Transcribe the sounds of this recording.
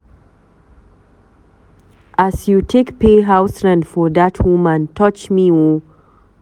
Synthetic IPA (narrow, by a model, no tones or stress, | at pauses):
ʔasjutʰekpeɦaʊsɹãndfɔdatʰwumãntʰɔt͡ʃmiwu